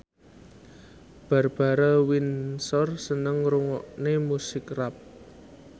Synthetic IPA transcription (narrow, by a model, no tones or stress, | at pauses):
b̥ä̤rb̥a̤ɾawinsɔrsənəŋɾuŋɔʔnemusɪkrap̚